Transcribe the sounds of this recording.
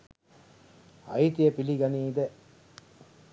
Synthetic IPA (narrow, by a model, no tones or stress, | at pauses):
ɐ̰it̪ijepiliɡɐniːd̪e